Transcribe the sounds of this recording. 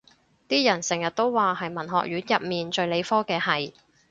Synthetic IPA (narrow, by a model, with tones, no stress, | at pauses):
t̪iː˥jɐ˨˩nsɪ˨˩ŋjɐ˨t̚t̪o˥wwaː˨hɐ˨jmɐ˨˩nɦɔ̰ː˨k̚ɥyː˨˥njɐ˨p̚miː˨nt͡ʃɵ˨˧ɥle˨˧jfɔː˥kɛː˧hɐ˨j